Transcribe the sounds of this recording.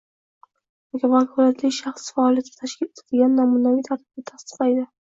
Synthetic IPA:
ɡʲavakʰʊɾat̪ʰlɪʃaχsfaɒːlˠijat̪ʰɪ̥t̪ʰaʃkʲɪlet̪ʰɪd̪ɪɡʲanːamunavijt̪ʰaɾt̪ʰɪb̚d̪at̪ʰast̪ɨ̥qlajd̪ɪ

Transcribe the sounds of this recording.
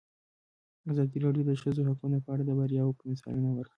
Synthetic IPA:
azɑd̪iɾɑɖjod̪əʃəzoɦakunopəaɽad̪əbaɾjɑwopəmɪsɑ̰lunawəɾki

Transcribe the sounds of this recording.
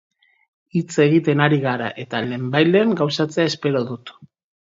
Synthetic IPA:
it͡se̞ɣit̪e̞naɾiɣ̞aɾa̰ʔe̞t̪ale̞ːmbajleaŋɡawsat͡se̞ae̞spe̞ɾo̞ðut̪

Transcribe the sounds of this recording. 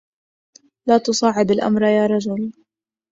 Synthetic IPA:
laːt̪ʊsˤɑːʕɪb̪alʔa̰mɾˤjaːɾˤɑd͡ʒʊl

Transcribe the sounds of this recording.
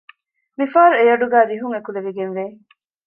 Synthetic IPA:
mifaːɾuejɐɖuɡæːliɦuŋekuleʋiɡenʋeː

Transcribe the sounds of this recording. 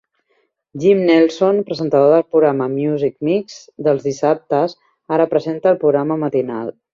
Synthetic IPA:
ʒimnɛlˠsonpɾəzənt̪əðoðəlˠpɾuɣɾaməmjuzik̚mikz | d̪əlˠzðisap̚t̪əz | aɾəpɾəzent̪əːlˠpɾuɣɾaməmət̪ina̰lˠ

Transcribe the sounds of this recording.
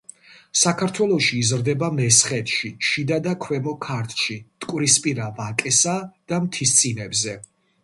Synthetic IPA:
sakʰaɾt̪ʰwɛlˠɔʃiːzɾd̪ɛbamɛsχɛt̪ʰʼʃiʃid̪ad̪akʰwɛmɔkʰaɾt̪ʰʼʃit̪ʼkʼwɾispʼiɾavakʼɛsad̪̥amt̪ʰist̪sʼinɛbzɛ

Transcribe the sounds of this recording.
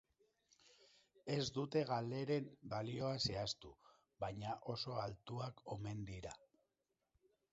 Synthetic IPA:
e̞zd̪ut̪e̞ɣale̞ɾe̞mbalio̞ase̞ast̪u | βajɲaʔo̞so̞alt̪uako̞me̞nd̪iɾa

